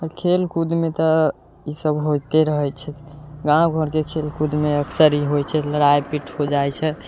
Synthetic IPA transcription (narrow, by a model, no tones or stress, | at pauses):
əkʰelkud̪met̪ɔ | isəbɦojt̪eɾəɦɛjt͡ʃʰɛɡãɡʱəɾkekʰelkud̪meəksəɾiɦojt͡ʃʰɛləɾajpiʈʰhod͡ʒajt͡ʃʰɛ